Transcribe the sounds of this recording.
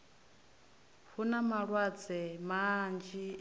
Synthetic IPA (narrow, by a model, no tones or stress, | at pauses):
hunamaɺwad͡zɛmand͡ʒi